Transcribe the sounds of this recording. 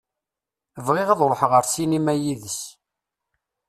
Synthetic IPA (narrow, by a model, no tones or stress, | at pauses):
əvʁɪʁɑðˤlˤħʁəɾsinimæjiðəs